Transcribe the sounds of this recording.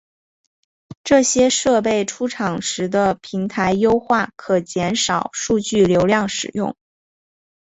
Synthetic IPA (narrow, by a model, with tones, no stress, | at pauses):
ʈ͡ʂɤ˥˩ɕjɛ˥ʂɤ˥˧p̬e˥˩ɪʈ͡ʂʰu˥ʈ͡ʂʰɑ˨˩ŋʂɻ̩˧˥d̪ə˧pʰi˧˥ŋt̪ʰa˧˥ɪjo˥ʊxwa˥˩kʰɤ˨˩t͡ɕjɛ˧˥nʂɑ˨˩ʊʂu˥˧t͡ɕy˥˩ljo˧˥ʊljɑ˥˩ŋʂɻ̩˨˩jʊ̰˥˩ŋ